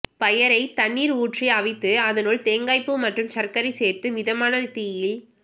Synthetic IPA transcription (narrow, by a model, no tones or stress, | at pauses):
pɐjɐɾɐɪt̪ɐɳːiːɾuːʈriɐʋɪt̪ːɯɐðɐnuːɭt̪eːŋɡaːɪpːɯmɐʈrɯmsɐrkɐɾɐɪseːrt̪ɯmɪðɐmaːnɐt̪iːjɪl